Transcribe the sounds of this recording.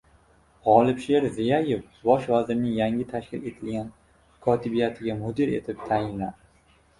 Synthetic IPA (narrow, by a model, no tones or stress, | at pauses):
ʁɒlˠɪbʃe̞ɾzɪjajef | bɒʃvazɪɾɪnɪŋjaŋʲɪt̪ʰaʃkʲɪ̰le̞t̪ʰɪlɡʲan | kʰɒt̪ʰɪbijat̪ʰɪɡʲamʊd̪ɪɾe̞̰t̪ʰɪp̚t̪ʰajɪnlad̪ɪ